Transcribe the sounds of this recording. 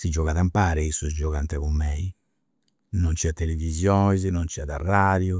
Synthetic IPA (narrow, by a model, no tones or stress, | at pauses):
sid͡ʒɔɣaðampaːɾɛisuzd͡ʒɔɣant̪ɛɣumːɛi | nɔnt͡ʃiat̪ːelevizjɔːnizinɔnt͡ʃiaðarːaːðju